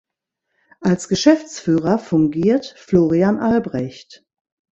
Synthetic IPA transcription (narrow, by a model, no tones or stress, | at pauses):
ʔalsɡ̥əʃɛft͡sfyːʁɐfʊŋɡiːɐtfloːʁianʔalbʁɛçt